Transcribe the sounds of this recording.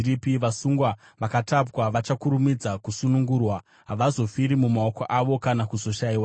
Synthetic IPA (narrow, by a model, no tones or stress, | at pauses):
ɾipiʋasuŋɡwa | ʋakatapwaʋat͡ʃakuɾumid͡zakusunuŋɡuːrwa | ɦaʋazo̞fiɾimumao̞ko̰ʔaʋo̞kanakuzo̞ʃaiːwa